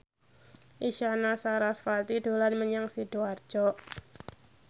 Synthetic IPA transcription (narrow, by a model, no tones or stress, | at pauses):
ʔiʃanasaɾasfalt̪id̪̥o̤lanməɲaŋsid̥oar̥d͡ʒ̥ɔʔ